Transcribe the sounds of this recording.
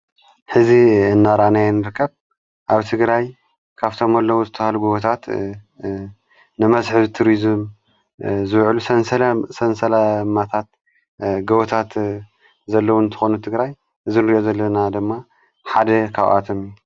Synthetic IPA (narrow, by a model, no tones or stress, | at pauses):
ħɨziɨnːaɾanajnɨɾɨkʰːɐβ | ʔaβt̪ʰɨɡɾaj | kʰaβt̪ʰo̞mɐlːɐwuzɨt̪ʰːɐhaluɡɐwot̪ʰat̪ | nɨmɐzħɨβt̪ʰuɾizɨm | zɨβʕlusɐnsɐsɐnsɐlamat̪ʰat̪̚ | ɡɐβot̪ʰat̪ | zɐlːɐwuɨnt̪ʰɨ̥xonut̪ʰɨɡɾaj | ʔɨzinɨɾiʔozɐlːɐnad̪ɨmːa | ħad̪ɐkʰaβʔa̰t̪ʰo̞miju